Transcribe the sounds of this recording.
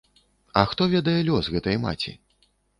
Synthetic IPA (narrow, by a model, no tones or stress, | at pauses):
ɐxt̪ɔvʲɛd̪ɐjɛlʲɔsɣɛt̪ɐjma̰t͡sʲḭ